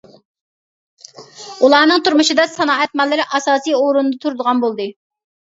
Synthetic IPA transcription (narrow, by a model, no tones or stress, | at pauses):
ulˠɑːnɨŋt̪uɾmuʃɨd̪ɑsɑnɑːɛt̪̚mɑlˠːɪɾɪʔɑsɑːsijoɾunɨd̪ɑt̪ʰuɾd̪əʁɑnbolˠd̪ɨ